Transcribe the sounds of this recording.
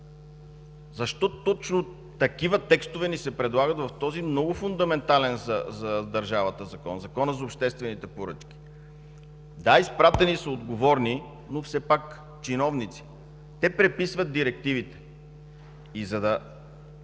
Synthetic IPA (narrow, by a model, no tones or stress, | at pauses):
zɐʃt̪ɔt̪ɔt͡ʃno | t̪ɐkivət̪ɛkst̪ʊvɛnisɛpɾɛd̪lˠaɡɐt̪vɐft̪ɔzimnɔɡʊfʊnd̪ɐmɛnt̪alɛnzɐzɐd̪ɐɾʒavət̪əzɐkɔ̰nzɐkɔnəzɐopʃt̪ɛst̪vɛnit̪ɛpoɾɤ̰t͡ʃkʲi̥ | d̪aispɾat̪ɛnisəod̪ɡovɔɾni | nofsɛpak | t͡ʃinɔvnit̪si̥ | t̪ɛpɾɛpisvɐt̪̚d̪iɾɛk̚t̪ivit̪ɛ̥ | izɐd̪ɐ